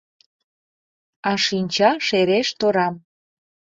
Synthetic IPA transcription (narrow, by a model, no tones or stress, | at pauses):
ɑʃinʲt͡ɕɑʃeɾeʃt̪oɾɑm